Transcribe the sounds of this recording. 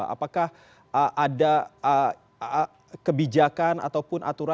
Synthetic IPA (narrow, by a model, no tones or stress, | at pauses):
a̰pakah | əʔadaə | kəbid͡ʒakana̰t̪awpʊnʔa̰t̪uɾa